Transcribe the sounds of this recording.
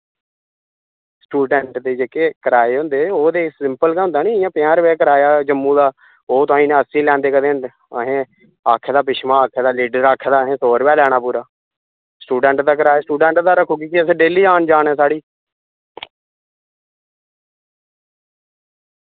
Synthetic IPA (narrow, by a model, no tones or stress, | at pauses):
sʈuːɖɛːɳʈd̪eːd͡ʒeːkeːkəɾaːeːɦʊ̃nd̪eːoːd̪eːsɪmpəlkaːɦʊ̃nd̪aːnĩːɪjãːpɪjãːɾʋɛːkəɾaːjaːd͡ʒəmːũːd̪aː | oːt̪̬ʊaːĩːnẽəsĩːlɛ̃ːnd̪eːkəd̪eːn | əɦẽː | aːkʰeːd̪aːp̬ɪʃmãːaːkʰeːd̪aːliːɖəɾaːkʰːeːd̪aːəɦẽːsoːɾpɛːlɛːɽ̃aːpuːɾaː | sʈuːɖɛːɳʈd̪aːk̬əɾaːesʈuːɖɛ̃ːɳʈd̪aːɾəkʰːoːkiːkɪəsẽːɖeːliːaːnd͡ʒaːnɛːsaːɽiː